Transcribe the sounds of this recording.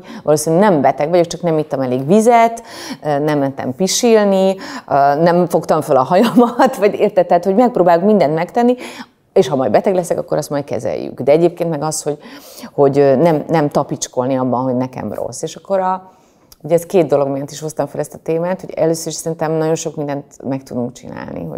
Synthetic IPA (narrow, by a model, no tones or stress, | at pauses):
vɒloːsinyɡnɛmbɛt̪ɛɡvɒɟokt͡ʃɒknɛmit̪ːɒmɛleːɡvizɛt̪ønɛmlɛnt̪ːɛ̰mpiʃilniønɛɱfo̞kt̪ɒɱfølɒɦɒjɒmɒt̪ʋɒɟeːrt̪ɛt̪ːɛhːt̪ho̞ɟmɛk̚proːbaːjukmind̪ɛnt̪mɛkt̪ɛnːi | eːʃhɒmɒ̰jdbɛt̪ɛɡlɛsɛkɒkːoɾɒst̪mɒjt̪kɛ̰zɛ̰jːy̰kd̪ɛɛɟeːp̚keːnt̪mɛɡɒsho̞ɟho̞ɟønɛmnɛmt̪ɒpit͡ʃko̞lniɒbːɒnɦo̞ɟnɛkɛ̰mro̞̰sːeːʃɒkːo̞ɾɒ | uɟɛːskeːd̪̚d̪o̞lo̞ɡmijɛnt̪iʃho̞st̪ɒɱfɛlɛst̪ɒ̥t̪eːmaːt̪hoɟɛløːsøɾiʃsɛɾint̪ɛmnɒɟo̞nʃo̞kmind̪ɛnt̪mɛk̚t̪ud̪uŋkt͡ʃḭna̰ːlnḭɦo̰